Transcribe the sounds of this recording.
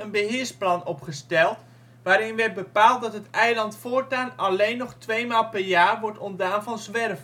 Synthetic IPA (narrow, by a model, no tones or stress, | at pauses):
ənbəɦɪːɹsplɑnɔpχəstɛlˠt | ʋaːɾɪnʋɛd̚bəpaːlˠt̚dɑtɦətɛjlɑntfʊːɹtaːnɑlejnːɔχtʋejmaːlˠpɛɹjaːrʋɔɹtɔndaːnvɑnzʋɛrv